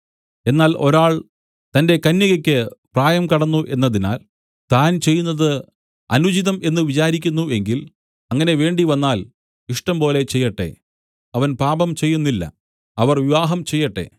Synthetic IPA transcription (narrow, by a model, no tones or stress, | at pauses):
enːaːlo̞ɾaːɭ | t̪ɐnde̞kɐnːjɐɣɐkʲːɨpraːjɐmkɐɽɐnːuʔe̞nːɐðina̰ːl | t̪aːnt͡ɕe̞jːunːɐðɨ | ɐ̰nud͡ʑiðɐme̞nːɨʋit͡ɕaːɾikʲːunːue̞ŋɡil | ɐŋːɐne̞ʋe̞ːɳɖiʋɐnːaːl | iʂʈɐmpo̞ːle̞t͡ɕe̞jːɐʈːe̞̰ | ɐʋɐnpaːbɐmt͡ɕe̞jːunːilːɐ̰ | ɐʋɐrʋiʋaːɦɐmt͡ɕe̞jːɐʈːe̞̰